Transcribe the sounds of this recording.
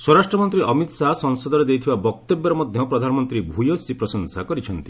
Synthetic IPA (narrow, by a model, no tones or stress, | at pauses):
swɔɾasʈɾɔmɔnt̪ɾiʔɔmit̪saɦsɔŋsɔd̪ɔɾed̪ejt̪ʰibabɔk̚t̪ebɔɾɔmɔd̪ʱjɔpɾɔd̪ʱanɔmɔnt̪ɾibʱujosipɾɔsɔŋsakɔɾit͡ʃʰɔnt̪i